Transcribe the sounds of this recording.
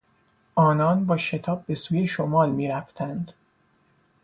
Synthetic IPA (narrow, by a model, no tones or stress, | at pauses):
ʔɒːnɒːnbɒːʃe̞t̪ʰɒːb̚ːe̞suːjeʃomɒːlmiːɾæft̪ʰænd̪̥